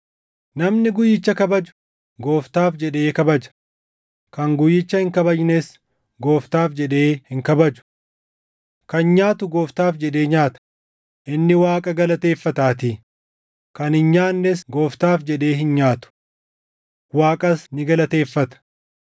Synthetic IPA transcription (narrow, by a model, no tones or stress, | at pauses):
nɐmnɪɡʊjːɪt͡ʃːɐkɐbɐd͡ʒʊ̥ | ɡo̞ːft̪aːfd͡ʒɛᶑe̞ːkɐbɐd͡ʒɐ̥ | kɐŋɡʊjːɪt͡ʃːɐhɪŋkɐbɐd͡ʒneːs | ɡo̞ːft̪aːfd͡ʒɛᶑe̞ːhɪŋkɐbɐd͡ʒʊ̥ | kɐnɲaːt̪ʊɡo̞ːft̪aːfd͡ʒɛᶑe̞ːɲaːt̪ɐ̥ | ʔɪnːɪwaːkʼɐɡɐlɐt̪e̞ːfːɐt̪aːt̪i | kɐnhɪnɲaːnːesɡo̞ːft̪aːfd͡ʒɛᶑe̞ːɦɪnɲaːt̪ʊ̥ | waːkʼɐsnɪɡɐlɐt̪e̞ːfːɐt̪ɐ̥